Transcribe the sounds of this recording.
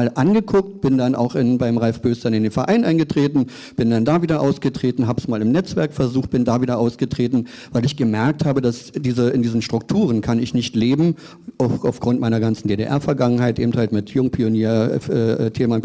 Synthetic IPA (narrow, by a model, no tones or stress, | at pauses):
aːlʔanɡəkʰʊk̚tb̥ɪndana̰ʊxɪnbaɪmʁalfb̥øːstanɪndeːnfɛɐʔaɪnʔaɪnɡətʁ̥eːtn̩ | b̥ɪndandaːviːdɐʔaʊsɡ̥ətʁ̥eːtn̩ɦaːbəsmaːlɪmnɛt͡sv̥ɛɐkfɛɐzuːxχt̚b̥ɪndaːviːdɐʔaʊsɡ̥ətʁ̥eːtn̩vaɪlɪçɡ̥əmɛɐk̚thaːbədasd̥iːzəɪndiːzən̩ʃtʁ̥ʊktʰuːʁənkʰanɪçnɪçtleːbm̩ | ʔaʊxaʊfɡ̥ʁʊntmaɪnɐɡant͡sn̩deːdḛʔɛ̰ɐfɛɐɡaŋənɦaɪtʔeːbm̩thaltmɪtʰjʊŋpʰioniːɐɛːʔɛtʰeːma